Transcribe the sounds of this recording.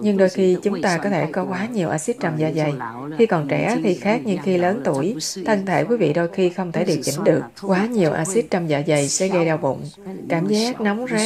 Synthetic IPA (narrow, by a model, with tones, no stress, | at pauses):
ɲɨ˧ŋɗo˧jxi˧t͡ɕʊ˨˦ŋ͡mt̪aː˧kɔ˨˦t̪ʰe˧˩kɔ˨˦kwaː˨˦ɲi˨˩əwʔaː˧si˦˥t̚t͡ɕa˧wmzaː˧˩za˨˩j | xi˧kɔ˨˩nt͡ɕɛ̰˧˩t̪ʰi˨˩xaː˦˥k̚ɲɨ˧ŋxi˧ləː˨˦nt̪u˧˩əjt̪ʰə˧nt̪ʰe˧˩kwi˨˦vḭ˧˨ɗo˧jxi˧xə˧wŋ͡mt̪ʰe˧˩ɗi˨˩k̚t͡ɕï˧˦ŋ̟ɗɨ˨˩ək̚kwaː˨˦ɲi˨˩əwʔaː˧si˦˥t̚t͡ɕɔ˧wmzaː˧˩za˨˩jsɛ˧˥ɣə˧jɗaː˧wvʊ̰˧˨ŋ͡mkaː˧˩mzaː˦˥k̚na˨˦wŋ͡mzaː˦˥